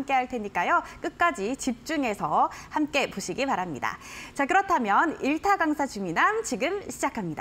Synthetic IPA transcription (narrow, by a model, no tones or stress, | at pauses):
mk͈e̞ɦaɭtʰe̞ɲik͈ajok͈ɯk̚k͈ad͡ʑit͡ɕip̚t͡ɕ͈uŋe̞sʰʌhamk͈e̞poɕʰiɡipaɾamɲḭda̰t͡ɕakɯɾʌtʰamjʌniɭtʰaɡaŋsʰat͡ɕuminamt͡ɕiɡɯmɕʰid͡ʑakʰamɲida